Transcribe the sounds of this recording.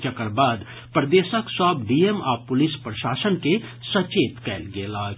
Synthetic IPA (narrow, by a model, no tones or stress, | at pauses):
t͡ʃəkəɾbaːd̪ | pɾəd̪eːsəksəbɖiːema̰ːpʊlispɾəʃaːsənkesət͡ʃeːt̪kɛːlɡeːlaːɡ